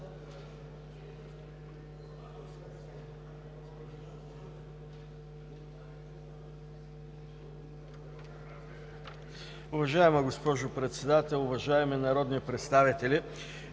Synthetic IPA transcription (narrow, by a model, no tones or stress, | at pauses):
ʊvɐʒaɛməɡospɔʒʊpɾɛt̪sɛd̪at̪ɛlˠʊvɐʒaɛmɛnɐɾɔd̪nipɾɛt̪st̪avit̪ɛli